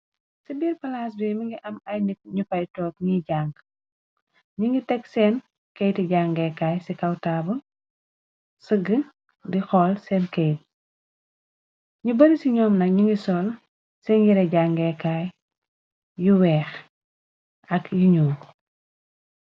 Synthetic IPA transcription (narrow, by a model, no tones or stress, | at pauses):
sibiːrpɐlaːs̬bɛːmiŋɡiʔɐmɐjnik̚ɲupɐjtɔːkɲiɟaːŋɡ | ɲuŋɡitɛksɛːn | kejtiɟaːŋɡɛkaːjsikɐwtaːbu | səɡə | dixɔːlsɛnkɛjt̚ | ɲubɐɾisiɲɔːmnɐk̚ɲuŋɡisɔl | sɛnjiɾɛɟaːŋɡɛkaːj | juwɛːx | ɐkjuɲuː